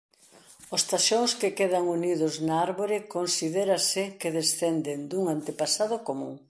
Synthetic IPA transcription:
ʊst̪aʃoŋskekeðaŋuniðʊznaaɾβoɾɪkonsiðeɾasɪkeð̞esθɛnd̪end̪uŋant̪epasað̞ʊkomṵ̃ŋ

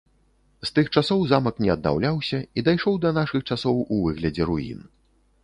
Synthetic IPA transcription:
st̪ɨxt͡ʂasɔwzamɐknʲɛɐd̪̚na̰wlʲawsʲɐid̪ajʂɔwd̪ɐnaʂɨxt͡ʂasɔwuvɨɣlʲɐd͡zʲɛɾuḭn

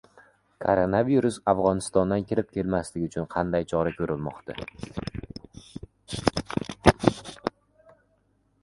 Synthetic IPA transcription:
kʰo̰ɾonaviɾʊsavʁɒnɪst̪ɒnd̪ankʲʰɪɾɪp̚kʲʰe̞lmaslɪɡʲʊt͡ʃʰʊnqʰɑnd̪ajt͡ʃʰɒɾakʲʰɵɾɪlmɒ̰qt̪a̰

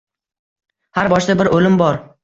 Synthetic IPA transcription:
haɾbɒʃd̪abɪɾolɪmbɒɾ

